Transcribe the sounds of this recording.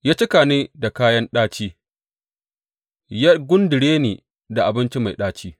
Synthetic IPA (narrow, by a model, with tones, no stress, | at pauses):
jaː˦t͡ʃɪ˦kaː˨neː˦da˨kaː˦jɐ˦nɗaː˦t͡ʃiː˦ | ja˦ɡʷʊ˦ndɪ˨ɽeː˦neː˨ | da˨ʔa˨bɪ˦nt͡ʃi˦ma˨jɗaː˦t͡ʃiː˦